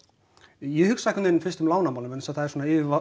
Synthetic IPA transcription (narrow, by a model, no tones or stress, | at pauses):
jɛhʏksajkʏnɪnʏmfɪ̥st̪ʏmlaːwnamawlʏmɛnsaðθaðɛɾsoːnaɪːvɪva